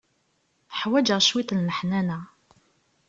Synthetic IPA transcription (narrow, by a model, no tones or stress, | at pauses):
ħwæd͡ʒəʁʃwit̪lnəħnænæ